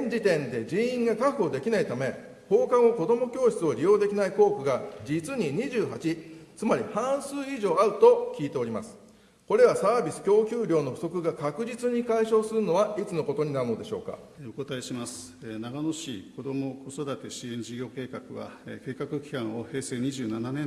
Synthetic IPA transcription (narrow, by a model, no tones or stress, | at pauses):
eɲ̟d͡ʑit̪ẽ̞nd̪e̞d͡ʑiĩŋɡakaɸɯ̟o̞d̪e̞kʲinait̪ame̞ | ho̞ːkãɰ̃o̞ko̞d̪o̞mo̞kʲo̞ːɕi̥t͡sɨo̞ɾʲijo̞ːd̪e̞kʲinaiko̞ːkɯ̟ɡad͡ʑit͡sɨɲ̟iɲ̟iʑɨːɦat͡ɕit͡sɨmaɾʲihãɰ̃sɨːiʑo̞ːaɯ̟t̪o̞kʲiːt̪e̞o̞ɾʲima̰sɨ̥ | ko̞ɾe̞βasaːbʲisɨ̥kʲo̞ːkʲɯːɾʲo̞ːno̞ɸɯ̟so̞kɯ̟ɡakakɯ̟ʑit͡sɨɲ̟ikaiɕo̞ːsɨɾɯ̟no̞βait͡sɨno̞ko̞t̪o̞ɲ̟inaɾɯ̟no̞d̪e̞ɕo̞̰ːka̰ | eoko̞t̪aeɕimasɨ̥naɡano̞ɕiko̞d̪o̞mo̞ko̞so̞d̪at̪e̞ɕiẽɲ̟d͡ʑiɡʲo̞ːke̞ːkakɯ̟βa̰ke̞ːkakɯ̟kʲi̥kãɰ̃ohe̞ːse̞ːɲ̟iʑɨːnananẽ